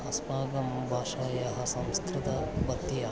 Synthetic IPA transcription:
ɐspaːɡɐmbʱaːʃaːjɐɦɐ̆sɐmskɾut̪ɐbɐt̪ːijɐ

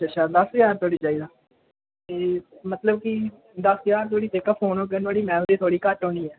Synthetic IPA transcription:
aːt͡ʃʰaːd̪əsjaːɾt̪ʰoːɽiːt͡ʃaːiːd̪aː | t̪eːmət̪ləbki | d̪əsjaːɾt̪ʰoːɽiːt̪ekəpʰɦoːnoːk̬ənʋaːɽiːmɛ̃ːmɾiːt̪ʰoːɽiːkəʈoːniːɛː

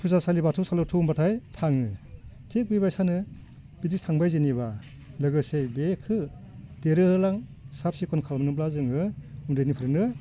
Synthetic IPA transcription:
pʰuzasalibatʰusalɯtʰumbatʰajtʰaŋɯtʰek̚bibajsanɯ | bidistʰaŋbajzeniba | lɯɡɯsebekʰɯd̥eɾɯɯlaŋsap̚sikʰɔnkʰalmnɯplazɯŋɯundɯjnipʰɯɾɯnɯ

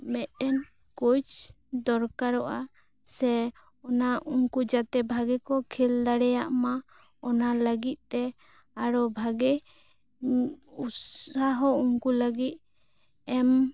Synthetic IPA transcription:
mɛt̪̚ɛn | kut͡ʃ | d̪ɔɾkaɾɔʔa | sɛ | ɔnaʔuŋkud͡ʒat̪ɛbʱaɡɛkɔkʰild̪aɽɛjaʔma | ɔnaləɡit̪̚ˀt̪ɛ | aɾɔbʱaɡɛ | usaɦɔuŋkuləɡit̪̚ | ɛm

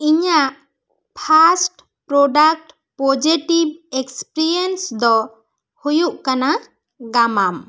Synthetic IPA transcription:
iɲaʔ | pʰasʈ | pɾɔɖak̚ʈ | pod͡ʒiʈib̚ekspɾɾiensd̪ɔ | hujuʔkana | ɡamam

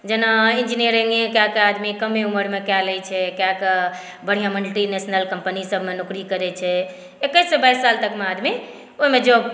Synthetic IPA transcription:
d͡ʒenaind͡ʒinijəɾiŋẽkjakad̪mikəmeuməɾmekjaləjt͡ʃʰɛkjak | bəɽ̤ijãməniʈinesnəlkəmpənisəbʱmenukɾikəɾɛt͡ʃʰɛ | ekəjsebajsːalt̪əkmead̪mi | oɦimẽd͡ʒo

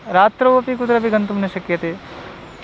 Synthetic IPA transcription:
ɾaːt̪ɾɐɐpikut̪ɾɐbiɡɐnt̪umneʃɐkjɐt̪eː

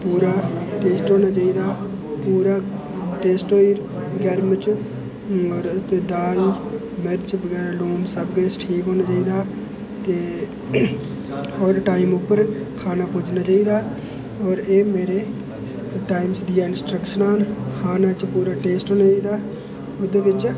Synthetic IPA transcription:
puːɾaːʈeːsʈɦoːnaːt͡ʃaːiːd̪aː | puːɾaː | ʈeːsʈoːiɾ | ɡɛɾmət͡ʃ | ɔːɾt̪eːd̪aːl | mɛɾt͡ʃbəɡɛːɾaluːmsəbɡeːsʈʰiːkɦoːnaːt͡ʃaːiːd̪aː | t̪eː | ɔːɾʈaːɪmʊpːəɾkʰaːnaːpʊːd͡ʒnaːt͡ʃaːiːd̪aː | ɔːɾeːmeːɾeː | ʈaːɪmsd̪ijaːɪnsʈɾəkʃənaːnkʰaːnaːt͡ʃpuːɾaːʈeːsʈɦoːnaːt͡ʃaiːd̪aː | ʊd̪eːʋɪt͡ʃ

